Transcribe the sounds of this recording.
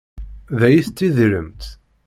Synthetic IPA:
ðæjiθt̪ːiðɾə̰mt̪

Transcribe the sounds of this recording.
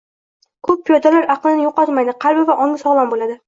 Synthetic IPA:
kʰɵpːʰijɒd̪alaɾaqlˠɪnɪjoqɒt̪majd̪ɪqʰɑlbɪvaʔɒŋɪsɒʁlˠanbolad̪ɪ

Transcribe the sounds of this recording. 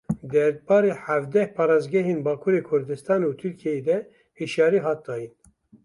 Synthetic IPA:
d̪ɛɾbɑːɾeːħævd̪ɛhpʰɑːɾɑːzɡɛɦeːnbɑːkʰuːɾeːkʰʊɾd̪ɨst̪ɑːnut̪ʰyɾkʰijɛed̪ɛ | hiʃjɑːɾiːɦɑːt̪̚d̪ɑːjin

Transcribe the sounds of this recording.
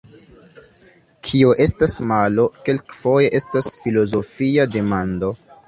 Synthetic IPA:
kʰioʔe̞stasmalo̞ke̞lkfo̞je̞ʔe̞stasfilo̞zo̞fiade̞mando̞

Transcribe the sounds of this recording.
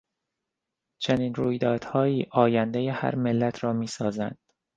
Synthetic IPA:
t͡ʃʰeniːnɾuːjd̪ɒːd̪̥hɒːiːʔɒːjænd̪ejehæ̰ɾmelːæt̪ʰɾɒːmiːsɒːzæ̰nd̪̥

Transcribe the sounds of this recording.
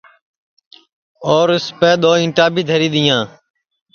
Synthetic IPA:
oːɾɪspeːɗ̪oːɪ̃ɳʈaːbʱiːd̪ʱəɾiːɗ̪ɪjãː

